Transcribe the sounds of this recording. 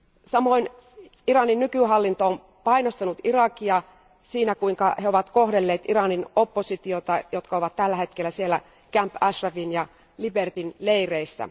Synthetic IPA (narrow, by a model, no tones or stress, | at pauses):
sɑmoin | irɑninnykyɦɑlːint̪oom | pɑinost̪ɑnut̪irɑkiɑ | siːnækuiŋkɑheoʋɑt̪kohdelːeːt̪irɑninopːosit̪iot̪ɑjot̪kɑoʋɑt̪t̪ːælːæhe̞t̪kelːæsielːæ | kæmpɑʃrɑʋinjɑ | libert̪inleireisːæ̰